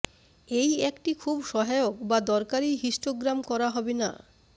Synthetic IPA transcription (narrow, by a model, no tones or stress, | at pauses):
ejekʈikʰubʃɔɦajokbad̪ɔɾkaɾiɦiʃʈoɡɾamkɔɾaɦɔbena̰